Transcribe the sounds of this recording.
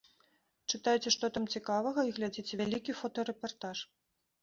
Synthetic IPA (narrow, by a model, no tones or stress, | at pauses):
t͡ʂɨt̪ajt͡sʲɛʂt̪ɔt̪amt͡sʲikavɐɣɐiɣlʲad͡zʲit͡sʲɛvʲalʲikʲifɔt̪ɔɾɛpart̪aʂ